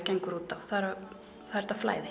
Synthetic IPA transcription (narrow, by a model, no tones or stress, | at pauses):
cɛŋkɾuːt̪awθaðɾa | θaðɛɾ̥t̪afla̰ːjðɪ